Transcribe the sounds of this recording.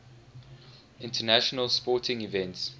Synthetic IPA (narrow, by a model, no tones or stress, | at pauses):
ɪ̃ntʰənæʃənəlspɔˑtʰɪ̃ŋivɛ̃nts